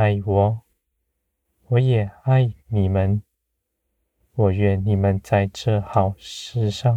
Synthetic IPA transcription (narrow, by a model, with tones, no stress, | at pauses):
a˥˩ɪwɔ˨˩˦ | wɔ˧˥˦jɛ˨˩a˥˩ɪni˨˩mə˨˦n | wɔ˨˩ɥɛ˥˩nni˨˩mə˨˦nt͡sa˥˧ɪʈ͡ʂɤ˥˧xɑ˨˩ʊʂɻ̩˧˥ʂɑ˥˨